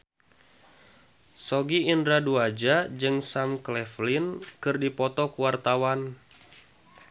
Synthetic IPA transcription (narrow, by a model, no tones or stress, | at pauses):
sɔɡiːndɾaduad͡ʒad͡ʒɨŋsamklɛflinkɨrdipɔt̪ɔkuwart̪awan